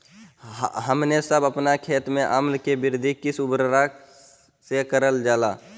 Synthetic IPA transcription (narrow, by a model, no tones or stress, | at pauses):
ɦəmnesəbəpnakʰeːt̪mẽʔamlkebɪɾd̪ʱikisubɾɾa | sekəɾəld͡ʒaːla̰ː